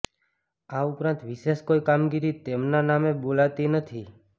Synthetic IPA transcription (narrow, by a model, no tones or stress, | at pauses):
aupɾãnt̪ʋiʃeʃkoikamɡiɾit̪emnanamẽbolat̪inət̪ʰi